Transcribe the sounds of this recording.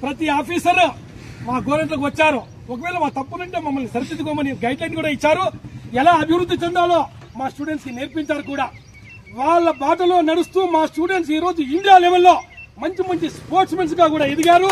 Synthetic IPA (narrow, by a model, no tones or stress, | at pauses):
pɾɐt̪iaːpʰiːsɐɾ | maːɡoʋɾmeɳʈlok̬uʋɐt͡ʃːaːɾu | ɔkɐʋɛːlɐʋaːkt̪ɐpːunɐɳʈeːmɐmːɐlnisɐɾɐt͡ʃit̪ːukoːmɐlnːiɡɐjɖlɐjnʈkuːɽaːit͡ʃːaːɾuɛlaːɐbʱiʋɾud̪ːit͡ʃɛnd̪aːlo̞ː | maːsʈuːɽeɳʈskineːɾpiɲt͡ʃaːɾukuːɽaː | ʋaːɭːɐbaːʈ̬ɐlo̞ːnɐɽust̪uːmaːsʈuːɽeɳʈs̬iːɾo̞ːd͡ʒuiɳɖijaːleːʋɐlːo̞ːmɐɲt͡ʃimɐɲt͡ʃispoːɾsmeɳʈs̬ɡaːkuːɽaːed̪iɡaːɾu